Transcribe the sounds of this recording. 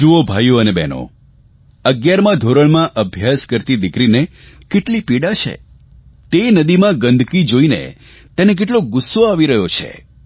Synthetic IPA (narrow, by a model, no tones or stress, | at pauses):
d͡ʒuobʱajuənebɛno̰ | əɡjaɾmãd̪ʱoɾəɭmãʔəbʱjaskəɾt̪id̪ɪkɾine | keʈlipiɽat͡ʃʰḛ | t̪enəd̪imãɡə̃nd̪ʱkid͡ʒoinḛ | t̪enek̬eʈ̬loɡʊsːoaʋiɾəɦjot͡ʃʰḛ